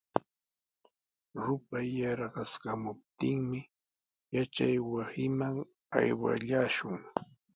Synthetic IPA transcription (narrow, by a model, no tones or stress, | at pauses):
ɾʊpajɑɾɢɑskamʊp̚t̪ɪŋmɪ | jat͡ʃajwasɪmaŋ | a̰jwa̰ʎaːʃʊŋ